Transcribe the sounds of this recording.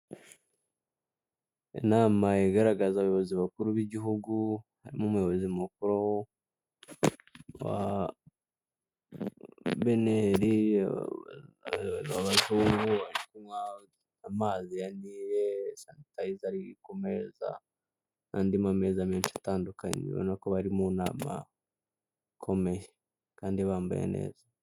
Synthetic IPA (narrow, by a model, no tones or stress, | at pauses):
ḛnaːmajeɡaɾaɡazaβajoβo̞ziβakuɾuβiɟiɦuɡuhaɾimumujoβozimukuɾowo | wa̰ | βeneɾi | waβazuːŋɡuaɾikumwa | amaːzijanijesanitaizaɾiikomeza̰ | nandimamezameːnʃataːndukaɲḛβo̰nekoβaɾimuna̰ːma̰ | kʰo̞meje | kaːndiβaːmba̰jḛnḛːza